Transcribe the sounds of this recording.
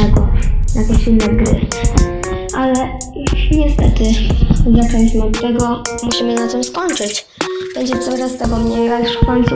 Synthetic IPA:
ɛɡɔjak̪ɛɕilnɛɡɾɘ̰ | ʔalɛ | ɲɛst̪ɛ̰t̪ɘzat͡ʂɔ̃ɲt͡ɕmɘɔt̪ːɛɡɔmuɕimɘnat̪ɨmskɔɲt͡ʂɘt͡ɕ | b̥ɛɲd͡ʑɛt̪sawɾast̪ɛɡɔmɲejɾaʂfkɔɲt̪su

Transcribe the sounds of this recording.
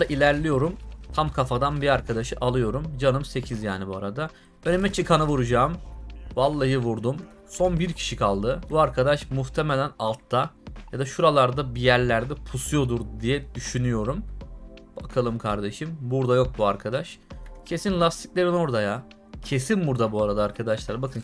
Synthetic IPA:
aʔilʲæɾlʲijo̞ɾumt̪ʰamkʰafad̪anbiaɾkʰad̪aʃɯʔalˠɯjo̞ɾumd͡ʒanɯmse̞cʰizja̰ːnibua̰ɾad̪a | ø̞nemɛt͡ʃʰɯkʰanavuɾud͡ʒaːmvalˠːajɯvuɾd̪um | so̞nbiɾcʰi̥ʃikʰalˠd̪ɯbuaɾkʰad̪aʃmuxt̪ʰe̞melʲænalˠt̪ʰːajad̪aʃuɾalˠaɾd̪abijæɾlʲæɾd̪ɛpʰusujo̞d̪uɾd̪ijɛd̪yʃynyjo̞ɾum | b̥akʰalˠɯmkʰaɾd̪e̞ʃimbuɾd̪ajo̞k̚buaɾkʰad̪aʃcʰe̞sinlʲafst̪ʰi̥clʲe̞ɾino̞ɾd̪aja | cʰe̞sinbuɾd̪abuaɾad̪aːɾkʰad̪aʃlˠaɾbakʰɯn

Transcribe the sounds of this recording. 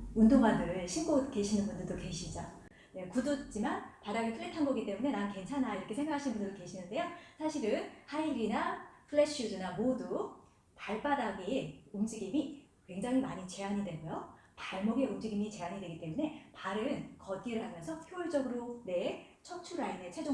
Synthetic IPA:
undoŋanɯɭɕʰink͈oke̞ɕʰinɯnbundɯɭdoke̞ɕʰid͡ʑa | ne̞kudot͡ɕ͈imanpadaɡepʰɯɭːetʰanɡʌɡit͈e̞mune̞nanke̞nt͡ɕʰanaiɾʌkʰe̞sʰe̞ŋɡakʰaɕʰinbundɯɭdoke̞ɕʰinɯnde̞josʰaɕʰiɾɯnhaiɾinapʰɯɭːeɕ͈ʰudɯnamodu | paɭp͈adaɡiumd͡ʑiɡimi | kwe̞ŋd͡ʑaŋɦimaɲit͡ɕe̞ɦaɲidwe̞ɡojo | paɭmʌɡe̞umd͡ʑiɡimit͡ɕe̞aɲidwe̞ɡit͈e̞mune̞paɾɯnkʌt̚k͈iɾɯɭɦamjʌnsʰʌpʰjoiɭd͡ʑʌɡɯɾone̞t͡ɕʰʌk̚t͡ɕʰuɾaine̞t͡ɕʰed͡ʑo

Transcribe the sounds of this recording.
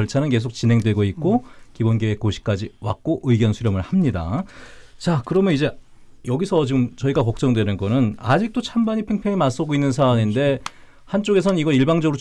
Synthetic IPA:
ʌɭt͡ɕʰanɯnke̞s̬ʰok̚t͡ɕinɦe̞ŋdwe̞ɡoit̚k͈okibonɡeekoɕʰi̥k͈ad͡ʑiwa̰k̚k͈oʔɯiɡjʌnsʰuɾjʌmɯɭhamɲida̰ | t͡ɕakɯɾʌmjʌnid͡ʑe̞ | jʌɡisʰʌt͡ɕiɡɯmt͡ɕʌiɡakʌk̚t͡ɕ͈ʌŋdwe̞nɯnɡʌnɯnad͡ʑik̚t͈ot͡ɕʰambaɲipʰeŋpʰeŋimas͈ʌɡoinːɯnsʰaaɲinde̞ | hant͡ɕ͈oɡe̞sʰʌnɯniɡʌɾiɭbaŋd͡ʑʌɡɯɾo

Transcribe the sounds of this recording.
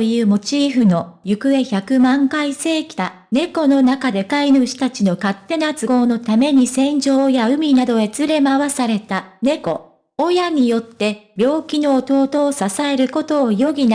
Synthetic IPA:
ojɯ̟ːmo̞t͡ɕiːɸɯ̟no̞jɯ̟kɯ̟e̞çakɯ̟mãŋkaise̞ːkʲi̥t̪a | ne̞ko̞no̞nakad̪e̞kainɯɕi̥t̪at͡ɕino̞kat̪ːe̞nat͡sɨɡo̞ːno̞t̪ame̞ɲ̟isẽ̞ɲd͡ʑo̞ːjaɯ̟mʲinad̪o̞e̞t͡sɨɾe̞maβasaɾe̞t̪ane̞ko̞ | ojaɲ̟ijo̞t̪ːe̞bʲo̞ːkʲino̞ːt̪o̞ːt̪o̞ːsasae̞ɾɯ̟ko̞t̪o̞ːjo̞ɡʲin

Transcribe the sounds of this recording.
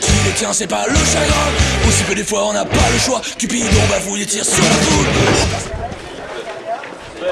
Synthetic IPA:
kilet̪jɛ̃sɛpaləʃaɡʁɛ̃usikəd̪efwaɔ̃napaləʃwakipid̪ɔ̃bavulet̪iʁsyʁləd̪u

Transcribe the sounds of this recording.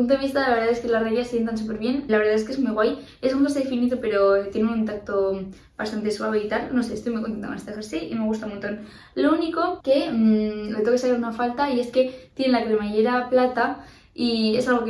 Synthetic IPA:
unt̪oeβist̪aðlaβeɾðaðe̞skelasreɣjassent̪̬ansupe̞ɾβje̞nlaβeɾðaðes̬kezmujɣwaj | esunŋkas̬eðefinit̪ope̞ɾo̞t̪je̞neununt̪ak̚t̪o̞ | bast̪ant̪eswaβe̞it̪alno̞se̞est̪ojmujkonent̪akonest̪eexeɾsiime̞ɣ̞ust̪amont̪o̞n | louniko̞ke̞ | let̪okesakaɾunafalt̪aie̞ske̞t̪jenelakɾemeʝeɾaplat̪a | ie̞salɣ̞o̞k

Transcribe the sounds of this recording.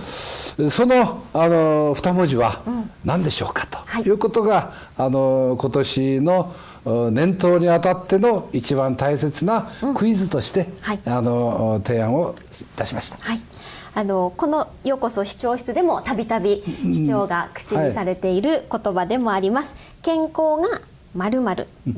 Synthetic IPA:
so̞no̞anoɸt̪amoʑiβanãnd̪e̞ɕo̞ːkḁt̪o̥haijɯ̟ːko̞t̪o̞ɡaː | noko̞t̪o̞ɕino̞ | nẽ̞nt̪o̞ːɲ̟iβat̪at̪ːe̞no̞it͡ɕiβãnt̪aise̞t͡sɨnakɯ̟izɨt̪o̞ɕi̥t̪e̞haianot̪e̞ːãɰ̃o | it̪aɕimaɕi̥t̪ḁhai | ano̞ko̞no̞ | jo̞ko̞so̞ɕi̥t͡ɕo̞ːçi̥t͡sɨd̪e̞mo̞t̪abʲit̪abʲiɕi̥t͡ɕo̞ːɡakɯ̟̥t͡ɕiisaɾe̞t̪e̞iɾɯ̟ko̞t̪o̞bad̪e̞mo̞aɾʲimasɨ̥ | kẽ̞ŋko̞ːɡa | maɾɯ̟maɾɯ̟̰

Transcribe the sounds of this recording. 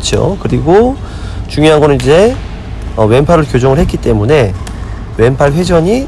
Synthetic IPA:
t͡ɕ͈ʰo̰kɯɾiɡo | t͡ɕuŋjoɦanɡʌnɯnid͡ʑe̞ | ʌwe̞mpʰaɾɯɭkjod͡ʑoŋɯɭhe̞t̚k͈it͈e̞mune̞ | we̞mpʰaɭɸwe̞d͡ʑʌɲi

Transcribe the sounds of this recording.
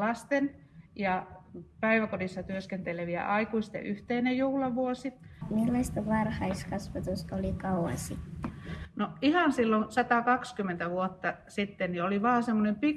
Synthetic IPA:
lɑst̪en | jɑpæiʋækodisːɑt̪yøskent̪eleʋiæ̰ʔɑikuist̪ḛʔyht̪einejjuhlɑʋuosimilːɑst̪ɑʋɑrhɑiskɑsʋɑt̪ust̪olikɑuɑ̰sit̪ːnoihɑnsilːonsɑt̪ɑkɑkskymːˑent̪æʋuot̪ːɑsit̪ːennioliʋɑːsemːonempi

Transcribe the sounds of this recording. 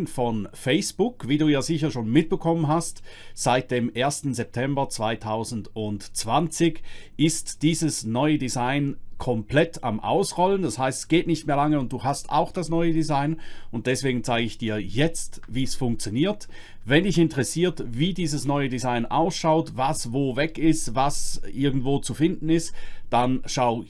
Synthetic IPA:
nfɔnfɛɪsb̥ʊkv̥iːduːjaːzɪçɐʃoːnmɪt̚b̥əkʰɔmənɦastz̥aɪt̚d̥eːmʔeːɐstn̩zɛp̚tʰɛmbɐt͡sv̥aɪtʰaʊzn̩dʊntt͡sv̥ant͡sɪɡʔɪstd̥iːzəsnɔʏədizaɪnkʰɔmplɛtʰa̰mʔa̰ʊsʁɔləndashaɪstɛ̥sɡ̥eːtnɪçtmeːɐlaŋəʊnt̚d̥uːɦasta̰ʊxd̥asnɔʏədizaɪnʊnt̚d̥ɛsv̥eːɡn̩t͡saɪɡəɪçd̥iːɐjɛt͡stviːsfʊŋk̚t͡sjoniːɐt | vɛndɪçɪntəʁɛsiːɐtviːdiːzəsnɔʏədizaɪnʔa̰ʊsʃaʊtvasvoːvɛkɪstvasʔɪɐɡŋn̩tvoːt͡sufɪndn̩ɪstd̥anʃaʊ

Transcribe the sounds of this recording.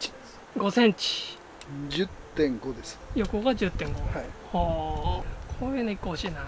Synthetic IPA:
ɡo̞sẽ̞ɲt͡ɕi̥ | d͡ʑɨt̪ːẽŋɡo̞d̪esɨ̥jo̞koɡad͡ʑɨt̪ːẽ̞ŋɡohaiho | kʰoenoikːohoɕiːna

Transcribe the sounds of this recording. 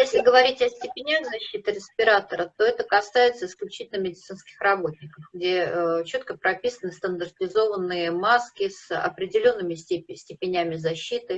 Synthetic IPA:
jesʲlʲɪɡəvɐɾʲitʲɐsʲtʲɪpʲɪnʲaɣzɐɕːit̪ɨɾʲɪspʲɪɾat̪əɾət̪o̞ɛt̪əkɐsajɪt̪səɪsklʲʉt͡ɕi̥tʲɪlnəmʲɪdʲɪt̪sɨnskʲɪ̥xrɐbo̞t̪ʲnʲɪkəfɡdʲet͡ɕo̞t̪kəpɾɐpʲisənɨst̪ənd̪ərtʲɪzo̞vənːɨjəmaskʲɪsɐ̰pɾʲɪdʲɪlʲo̞nːɨmʲɪsʲtʲɪpʲɪnʲæmʲɪzɐɕːit̪ɨ

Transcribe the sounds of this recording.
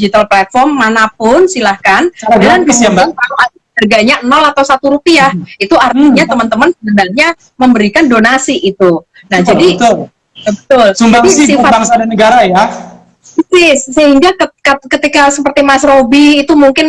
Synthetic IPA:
d͡ʒit̪alplat̪̚fɔrmːanapʊnsilahkanaɾadalanisjabankaluadaarɡaɲaənɔlat̪awsat̪uɾupiahit̪uart̪iɲat̪əmənt̪əmənsəŋəndalɲa | məmbəɾikandonasiʔit̪u | nahd͡ʒadit̪ʊ | bət̪ʊlsumbaisisifabaŋsadanəɡaɾaja | sɪssəhiŋɡakəkakət̪ikasəpərt̪imasrobiːt̪umuŋkɪn

